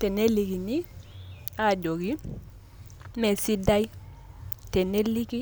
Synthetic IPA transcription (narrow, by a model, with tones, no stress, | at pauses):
te˨ne˦li˨ɡi˨ni˦ | a˨do˨ɡi˦ | me˨si˦da˦j | te˨ne˦li˦ki˦